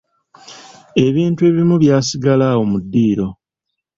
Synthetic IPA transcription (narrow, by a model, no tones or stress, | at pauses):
e̞βiːntue̞ːβimuβjaːsiɡalaːwo̞mudːiːɾo̞